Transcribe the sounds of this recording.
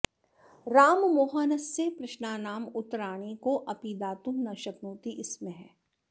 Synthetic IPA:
ɾaːmmoːɦaːnɐsẽpɾɪʃnaːnaːmʊt̪ɾaːɽ̃ikoʔɐpid̪aːt̪ũmnaʃəknuːt̪iʔɪsmẽɦɛː

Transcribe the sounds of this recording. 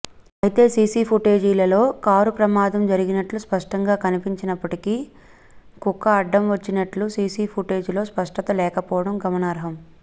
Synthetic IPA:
ɐjt̪e̞ːsiːsiːpʰuʈe̞ːd͡ʒiːlɐlo̞ːkaːɾupɾɐmaːd̪ɐmd͡ʒɐɾiɡinɐʈluspɐʂʈɐŋɡaːkɐnipiɲt͡ʃinɐpːɐʈiki | kukːɐɐɖːɐmʋɐt͡ʃːinɐʈlusiːsiːpʰuʈe̞ːd͡ʒulo̞ːspɐʂʈɐt̪ɐlɛːkɐpɔːʋɐɽɐmɡɐmɐnaːɾɦɐm

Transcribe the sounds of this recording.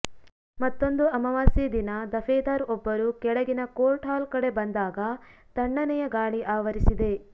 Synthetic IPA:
mɐt̪ːo̞nd̪uɐmɐʋaːsid̪inɐd̪ɐfʰeːd̪aːɾɔbːɐɾukɛɭɐɡinɐkoːlʈɦaːlkɐɽe̞bɐnd̪aːɡɐ | t̪ɐɳːɐnɛjɐɡaːɭiʔaːʋɐɾisid̪e̞

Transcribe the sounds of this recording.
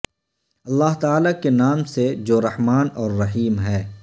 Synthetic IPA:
ɐlːaːɦt̪aːlakenaːmsed͡ʒoːɾɐhmaːnɔːɾːɐɦiːmɦɛː

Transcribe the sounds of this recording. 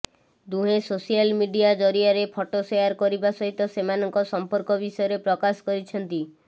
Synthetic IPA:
d̪uɦesosijalmiɖiad͡ʒɔɾiaɾepʰɔʈosejaɾkɔɾibasɔɦit̪ɔsemanɔŋkɔsɔmpɔɾkɔbisɔjɔɾepɾɔkaskɔɾit͡ʃʰɔnt̪i

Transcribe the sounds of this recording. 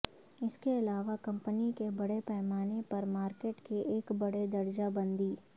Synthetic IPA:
ɪskeɪlaːʋakɐ̃mpənikebɐɽepɛːmaːnepɐɾmaːɾkeːʈkeʔeːkbɐɽed̪ɐɾd͡ʒabɐ̃nd̪iː

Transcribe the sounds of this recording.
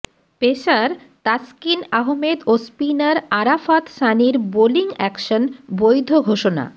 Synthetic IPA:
peʃaɾ | t̪askinaɦomed̪ospinaɾaɾafat̪ʃaniɾboliŋɛkʃonbojd̪ʱoɡʱoʃona̰

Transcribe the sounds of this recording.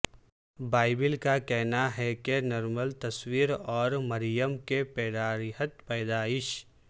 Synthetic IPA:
baːɪbɪlkakɛɦnaɦɛkenɔɾməlt̪ɐswiːɾɔːɾmɐɾjəmkepɛːd̪aːɾɦət̪̚pɛːd̪aːɪʃ

